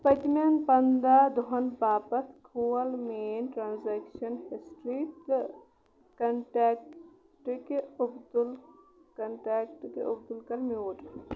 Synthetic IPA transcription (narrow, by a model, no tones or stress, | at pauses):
pɐt̪maːnpɐnd̪ad̪oɦɐnbaːpɐt̪kʰuːɐlmeeːnʈɾaːnzeːkʃɐnhisʈɾiːt̪ | kɐɳʈɛːk̚ | ʈkeʊbd̪ulkɐɳʈaːkʈkḛʔʊb̚d̪ulkɐɾmoːʈ